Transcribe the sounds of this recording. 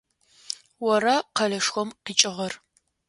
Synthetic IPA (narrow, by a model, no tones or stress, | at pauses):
wɔrɐqɐɮɐʂxʷɔmqiːt͡ʃʼɪʁɐr